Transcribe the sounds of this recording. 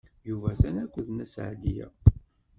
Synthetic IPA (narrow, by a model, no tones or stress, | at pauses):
juvæθænækʷːəðnæsʕd̪ijæ̰